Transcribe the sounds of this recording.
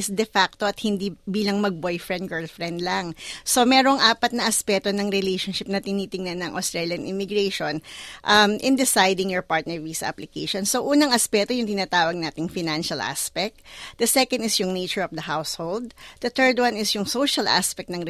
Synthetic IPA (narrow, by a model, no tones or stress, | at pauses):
ɪsd̪ɛfak̚t̪oɐt̪̚hɪnd̪ibiːlɐŋmɐɡ̚bojfɹɛ̃nd̪̚ɡɛɹlfɹɛnd̪lɐŋso̞mɛːɾoŋʔaːpɐt̪̚nɐʔɐspɛːt̪onɐŋɾɛlejʃonʃɪp̚nɐt̪ɪniːt̪ɪŋnɐnːɐŋʔɐ̰st̪ɹɛljɐnʔɪmɪɡɹeʃonʔɐmʔɪ̃nd̪ɪsajd̪ɪŋjɔɹpaɹt̪nɛɹviːsɐ̰ʔɐ̰plɪkejʃonsoʔuːnɐŋɐspɛt̪o̞jʊŋt̪ɪnaːt̪aːwɐɡ̚naːt̪ɪŋfɪnanʃɐlʔa̰spɛk̚t̪̚d̪ɐsɛkɐ̃nɪsjʊŋnejt͡ʃɛɹɔfd̪ɐhawshold̪̚d̪̥ɐt̪ɛɹd̪wanɪsjʊŋsoʃɐlʔa̰spɛk̚t̪nɐŋ